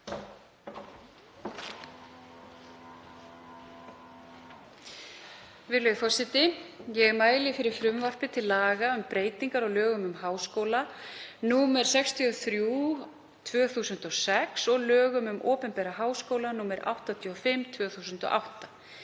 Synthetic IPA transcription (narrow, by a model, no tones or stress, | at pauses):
vɪlœːðfɔr̥sɪt̪ɪjɛɣɛɾmaːjlɪfɪɾɪɾ̥fɾʏmvar̥pɪt̪ʰɪlːaːɣaʏmpɾeːjt̪iŋkaɾɔɣlœːɣʏmʏmhaːwskoːwlanuːmɛɾ̥sɛkst̪ʰiɔθɾjuː | t̪ʰvœːθuːsʏnt̪ɔsɛksɔɣlœːɣʏmʏmʔoːpɛmpɛːɾaɦaːwskoːwlanuːmɛɾʔa̰wht̪at̪ʰiɔfɪmt̪ʰvœːθuːsʏnt̪ɔ̰ʔa̰wht̪a